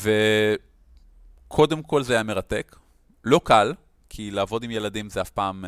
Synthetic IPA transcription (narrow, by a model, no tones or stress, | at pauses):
ve | kʰo̞de̞mkʰo̞lzeajame̞ʁate̞k | lo̞kal | kʰilaːvo̞dimje̞ladimzeafpaːm